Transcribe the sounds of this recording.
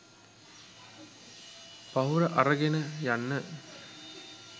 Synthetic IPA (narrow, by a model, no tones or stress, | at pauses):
paɦuɾəʔaɾəɡenəjanːə